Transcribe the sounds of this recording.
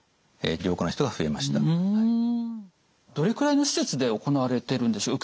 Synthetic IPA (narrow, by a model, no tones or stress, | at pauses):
ḛɾʲo̞ːkonaçi̥t̪oɡaɸɯe̞̰maɕi̥t̪aɯ | d̪̥o̞ɾe̞kɯ̟ɾaino̞ɕi̥se̞t͡sɨd̪e̞o̞ko̞naβaɾe̞t̪e̞ɾɯ̟̃nd̪e̞ɕoːk